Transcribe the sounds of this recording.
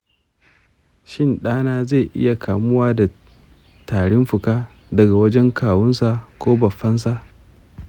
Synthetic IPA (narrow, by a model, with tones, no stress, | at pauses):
ʃɪ˦nɗaː˦naː˦ze˦˨ʔɪ̰˦ja˨kaː˨mʊ˦waː˦da˨ | taː˨ɽɪ˦mɸʊ˨kaː˦ | dɐ˨ɡa˨wɐ˦d͡ʒɛ˦ŋkaː˨wʊ˦nsa˨kʷoː˦bɐ˨ɸɐ˦ns̬a˨ʔ